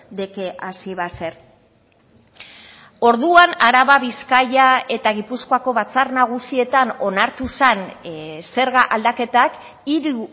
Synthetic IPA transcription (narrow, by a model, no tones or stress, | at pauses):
d̪eke̞ʔasiβase̞ɾ | o̞ɾðuanaɾaβaβiskajae̞t̪aɣipuskoako̞βat͡sarnaɣ̞usie̞t̪ano̞naɾt̪usanse̞ɾɣaʔald̪ake̞t̪ak | iɾu